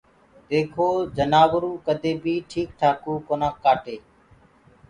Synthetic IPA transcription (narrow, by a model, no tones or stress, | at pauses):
d̪eːkʰoːd͡ʒənaːʋɾũːkəd̪ʱeːbʱiːʈʰiːkʈʰaːkuːkoːnaːkːaːʈeː